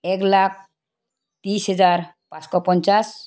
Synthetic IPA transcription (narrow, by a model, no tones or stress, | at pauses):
ɛklak̚ʰ | t̪isɦed͡zaɾ | pãskɔpɔnt͡ʃas